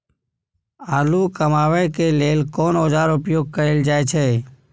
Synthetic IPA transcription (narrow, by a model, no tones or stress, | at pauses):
aːluːkəmaːʋəjkeleːlkoːnoːd͡ʒaːɾʊpjoːɡ̚kəeːld͡ʒaːet͡ʃʰeː